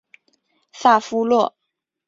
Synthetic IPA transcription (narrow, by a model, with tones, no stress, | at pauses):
sa˥˩fu˥lwɔ˥˩